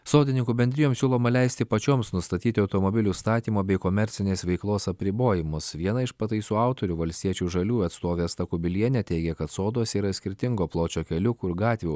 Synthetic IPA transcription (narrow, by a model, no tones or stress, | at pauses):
soːd̪ʲɪnʲɪŋkuːbʲɛnd̪ʲɾʲɪjoːmsʲuːlˠoːmɐlʲɛɪsʲt̪ʲɪpɐt͡ʃʲoːmsnʊst̪ɐt̪ʲiːt̪ʲɪɐʊt̪oːmobʲɪlʲuːst̪ɑːt̪ʲiːmoːbʲɛɪkoːmʲɛɾʲtsʲɪnʲeːsʋʲɛɪklˠoːsɐpʲɾʲɪboːjɪmʊsʋʲiɛnɐɪʃpɐt̪ɐɪsuːɑʊt̪ɔɾʲʊʋɐlʲsʲt̪ʲiɛt͡ʃʲuːʒɐlʲuːɐt̪st̪oːʋʲeːst̪ɐkʊbʲɪlʲiɛnʲɛt̪ʲɛɪɡʲɛkɐt̪soːd̪oːsiːɾɐsʲkʲɪɾʲt̪ʲɪŋɡoːplˠoːt͡ʃʲoːkʲɛlʲʊkuːɪɾɡɑːt̪ʲʋʲɛʊ